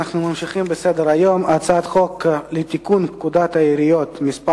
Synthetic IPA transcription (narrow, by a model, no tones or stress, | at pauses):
aχnumamʃiχimbesed̪eɾajo̞mat͡sat̪χo̞klet̪ikunpkud̪at̪aiɾijot̪misp